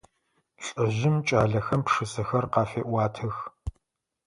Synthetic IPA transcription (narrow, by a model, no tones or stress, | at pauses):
ɬʼɐʑɪmt͡ʃʼaːɮɐxɐmpʂɨsɨxɐrqɑːfeːʔʷɑːtʰɨx